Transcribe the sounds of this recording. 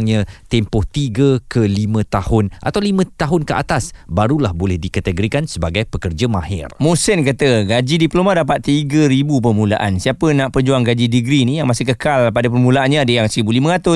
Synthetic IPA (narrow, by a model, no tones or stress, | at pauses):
ŋɲãt̪ɛmpɔht̪iɡəkʰəlimə̃t̪ahʊnʔa̰t̪awlimə̃t̪aɦʊnkəʔa̰t̪asbaɾulahbolɛhdikat̪əɡoɾikansəbaɡajpəkərd͡ʒamãhɪ̰rmusənkat̪əɡad͡ʒidiplomãdap̬at̪̚ːiɡəɾibup̬ərmũlaʔansiapənãʔpərd͡ʒuaŋɡad͡ʒidiɡɾinijaŋmasikəkalpadəp̬ərmulaʔanɲãːdəjaŋsəəbulimə̃ɾat̪ʊ